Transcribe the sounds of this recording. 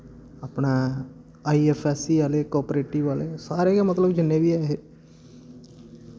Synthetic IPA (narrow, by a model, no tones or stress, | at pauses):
ɐpna | aːieːfʰɛːsiʋaːlekɔːpɾeːʈɪʋʋaːlesaːɾekemɐt̪ləbd͡ʒɪnːebiaːɦe